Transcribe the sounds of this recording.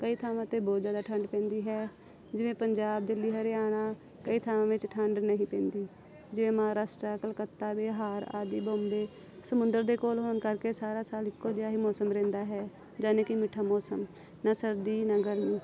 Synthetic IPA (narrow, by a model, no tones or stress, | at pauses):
kəiːt̪ʰaːʋãːt̪eːbɔːt̪zjaːd̪aːʈʰəɳɖpɛ̃ːnd̪iːɦɛː | d͡ʒɪʋẽːpəɲd͡ʒaːb̚d̪ɪliːɦəɾeaːɽ̃aː | kəiːt̪ʰaːʋãːʋɪt͡ʃʈʰəɳɖnəɦĩːpɛ̃ːnd̪iː | d͡ʒɪʋẽːmɦaːɾaːsʈɾaːkəlkət̪ːaːbeːɦaːɾa̰ːd̪iːbõːmbeː | səmʊ̃nd̪əɾd̪eːkoːlɦoːnkəɾkeːsaːɾaːsaːlɪkːoːd͡ʒɪaːɦiːmɔːsəmɾɛ̃ːnd̪aːɦɛː | d͡ʒaːnẽːkɪmɪʈʰaːmɔːsəm | nasəɾd̪iːnaɡəɾmiː